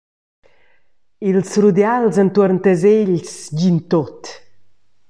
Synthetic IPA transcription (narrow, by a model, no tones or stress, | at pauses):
ilsrud̪jalzant̪uəɾnt̪əzeʎsɟint̪ot̪